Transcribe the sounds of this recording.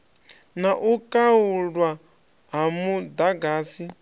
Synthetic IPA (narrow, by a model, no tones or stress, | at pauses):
naʔukʼauɺwa | ɦamud̪aɡaːsi